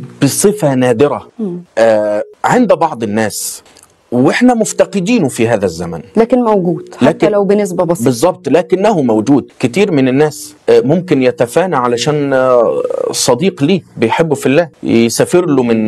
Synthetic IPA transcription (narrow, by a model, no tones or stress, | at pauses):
b̥ɪsˤɨfænæːd̪ɪɾæʔæːʕend̪bɑʕd̪ˤɪnːæːs | wɪħnæmʊft̪ɑqɪd̪iːnfiɦæːðæzːæmæ̰nlæːkɪnmæwɡuːd̪læːkɪlwbɪnːɪs̬bæbɑsbɨzˤːɑb̚t̪ˤlæːkɪnːæhumæwd͡ʒuːd̪̚kɪt̪iːɾmɪnɪnːæːs | mʊmkɪnjæt̪æfæːnaʕalæʃæːn | sˤːɑd̪iːqliːbɪjħebːʊfilːæːsæfɪɾlʊmɪn